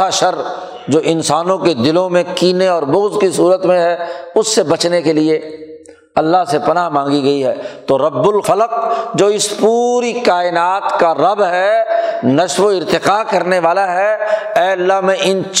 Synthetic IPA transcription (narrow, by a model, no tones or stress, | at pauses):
aʃɐɾ | d͡ʒoːʔɪ̃nsaːnõked̪ɪlõmẽkiːneɔːɾbʊɣzkisuːɾət̪mẽɦɛʊsːebɐt͡ʃnekelie | ɐlːaɦsepɐnaːɦmãːŋɡiɡɐiɦɛ̰ːt̪oɾɐbːʊlfɐlq̚d͡ʒoːɪspuːɾikaːɪnaːt̪kaɾɐbɦɛnɐʃʋoɪɾt̪ɪqaːkɐɾneʋaːlaɦɛɛːɐlːaɦmẽʔɪnt͡ʃ